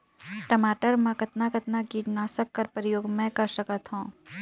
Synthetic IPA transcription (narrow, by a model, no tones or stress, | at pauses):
ʈɐmaːʈəɾmãkɐt̪nakɐt̪naɡiːʈnaːsəkːɐɾpəɾɪjoːɡmɛ̃kɐɾʃɐkət̪ɦõː